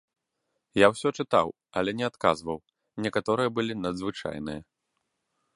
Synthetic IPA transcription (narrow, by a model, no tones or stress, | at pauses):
jawsʲɔt͡ʂɨt̪a̰w | ɐlʲɛnʲɛat̪ka̰zvɐw | nʲɛkat̪ɔɾɨjɐbɨlʲinɐd̪zvɨt͡ʂa̰jnɨ̰jɐ